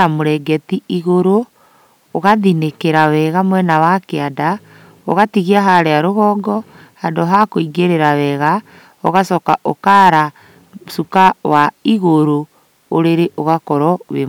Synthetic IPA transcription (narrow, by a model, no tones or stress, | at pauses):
amoɾɛɡɛtiiɣoɾo | oɣaðinekeɾawɛɣamwɛnawakeada | o̰ɣatiɣiaɦaɾeaɾoɣɔɡɔ | handoɦakoiɡeɾeɾawɛɣa | o̰ɣasɔkaʔokaɾa | sukawaiɣoɾoː | ɾeɾeʔoɣakɔɾɔβe